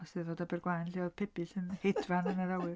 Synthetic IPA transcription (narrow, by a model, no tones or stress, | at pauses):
ɔsɨðɔdabɛrɡwajnɬiɔðpʰɛbiɬɨnhedvanənəɾawɪr